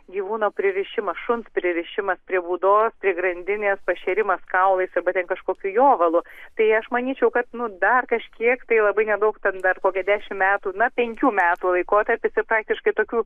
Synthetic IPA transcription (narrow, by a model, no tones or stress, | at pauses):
ɡʲiːʋuːnoːpʲɾʲɪɾʲɪʃʲɪmɐsʃʊnspʲɾʲɪɾʲɪʃʲɪmɐspʲɾʲiɛbuːd̪oːspʲɾʲiɛɡɾɐnʲd̪ʲɪnʲeːspɐʃʲɛɾʲɪmɐskɐʊlˠɐɪsɐrbɐt̪ʲɛnkɐʃkoːkʲuːjoːʋɐlˠʊt̪ɐɪɐʃmɐnʲiːt͡ʃʲɛʊkɐt̪nʊd̪ɐrkɐʃʲkʲiɛkt̪ɐɪlˠɐbɐɪnʲɛd̪ɐʊkt̪ʲɛnd̪ɐrkoːkʲɛd̪ʲæːʃʲɪmmʲæːt̪uːnɐpʲɛŋʲkʲuːmʲæːt̪uːlˠɐɪkoːt̪ɐɾʲpʲɪsɪrpɾɑːk̚t̪ʲɪʃkɐɪt̪oːkʲuː